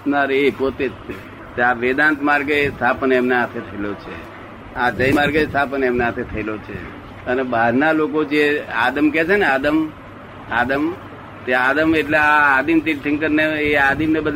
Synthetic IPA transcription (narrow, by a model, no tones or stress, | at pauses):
naɾepot̪e | e | t̪eaʋed̪ant̪maɾɡəesʰapənemneat̪ʰet̪ʰəelot͡ʃʰḛ | ad͡ʒəimaɾɡəest̪apənemneat̪ʰet̪ʰəelot͡ʃʰḛ | ənebaɾnalokod͡ʒead̪əmket͡ʃʰenead̪əm | ad̪əm | t̪ead̪əmeʈleaːd̪imt̪iʈʰɪŋkəɾneead̪imnebəd̪